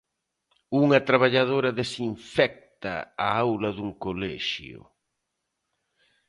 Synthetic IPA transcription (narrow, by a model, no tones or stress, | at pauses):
uŋɐt̪ɾaβaʎaðoɾɐðesiɱfɛk̚tt̪ɐ̰a̰awlɐðuŋkolɛʃjʊ̰